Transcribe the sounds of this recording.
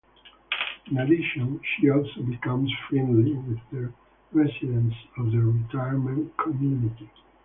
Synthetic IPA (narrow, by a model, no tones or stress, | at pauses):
ĩnadɪʃə̃nʃiɔlˠsobikʌ̃mzfɹɛ̃ndliwɪðə | ɹɛsidɛ̃nsɔvðəɹitʰaɪjəɹmɛ̃ntkʰɔmjuniti